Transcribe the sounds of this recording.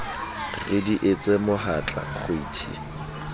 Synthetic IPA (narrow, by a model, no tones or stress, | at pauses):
rɪdiʔet͡sʼemʊɦat͡ɬʼa̰χʊiːtʰḭ